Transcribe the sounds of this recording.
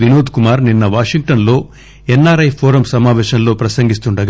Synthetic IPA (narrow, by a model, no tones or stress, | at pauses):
ʋinoːd̪kumaːɾninːɐʋaːʂiŋɡ̚ʈɐnlo̞ː | ɛnːaːɾɐjpʰoːɾɐmsɐmaːʋɛːʃɐnlo̞ːpɾɐsɐŋɡist̪uɳɖɐɡ